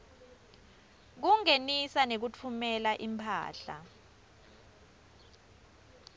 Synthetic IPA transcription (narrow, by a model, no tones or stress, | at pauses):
k̬uŋenisanek̬ut͡fʰumɛlaʔimpʰa̰ːɬa̰